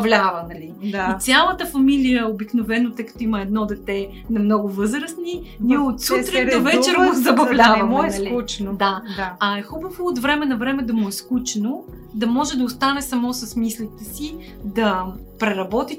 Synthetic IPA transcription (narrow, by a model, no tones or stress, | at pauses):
vlʲavɐnɐliait̪sʲjalˠət̪əfɐmilijəobiknovɛnot̪ɤjkɐ̥t̪ɔimɐɛd̪nɔd̪ɛt̪ɛ | nɐmnɔɡʊvɤzɾəsniniot̪sut̪ɾɛovɛt͡ʃɛɾmzɐbɐvlʲavɐmɛlut͡ʃ̪d̪aɐɛxubəvoːt̪vɾɛmɛnɐvɾɛmɛd̪ɐmʊɛskut͡ʃɛno | d̪ɐmɔʒɛd̪ɐost̪anɛsɐmɔsɐsmislit̪ɛsi | d̪ɐpɾɛɾɐbɔt̪i